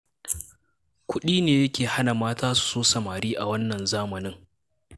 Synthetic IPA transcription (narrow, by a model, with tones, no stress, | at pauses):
kʷʊ˦ɗiː˦neː˨jɐ˦kʲʰeː˨ha˦na˨maː˦taː˦su̥˨soː˦sɐ˨maː˨ɽiː˦ʔa˨wɐ˦nːɐ˨nzaː˦mɐ˨nɪ˦ŋ